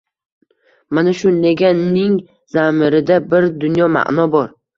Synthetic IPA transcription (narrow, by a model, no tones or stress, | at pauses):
manaʃʊnlaɡʲanːɪŋ | z̥amɪɾɪd̪abɪɾd̪ʊnjɒma̰ʔnɒbɒɾ